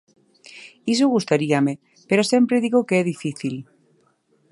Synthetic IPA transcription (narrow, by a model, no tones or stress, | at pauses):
is̬oɣ̞ust̪aɾiame | peɾosje̞mpɾeðiɣokeeðifiθil